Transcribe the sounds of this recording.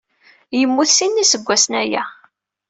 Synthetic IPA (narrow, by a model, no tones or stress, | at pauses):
jəmːuθsinːisəɡʷːæsnæjæ̰